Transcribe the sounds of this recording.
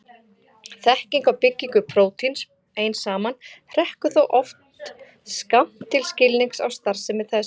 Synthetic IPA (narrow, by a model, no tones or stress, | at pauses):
θɛhciŋkawpɪcːiŋkʏpʰɾoːwt̪ʰins | eːjnsaːmanhr̥ɛhkʏθowʔɔft̪ | skam̥t̪ʰːɪlscɪlniŋksa̰wst̪aɾ̥sɪmɪθɛs